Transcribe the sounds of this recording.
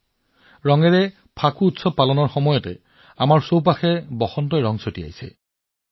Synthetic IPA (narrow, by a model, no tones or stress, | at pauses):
ɹɔŋɛɹɛ | pʰakuutsɔbpalɔnɔɹxɔmɔjɔtɛ̰ | amaɹsowp̬axɛbɔxɔntɔjɹɔŋsotia̰jsɛ̰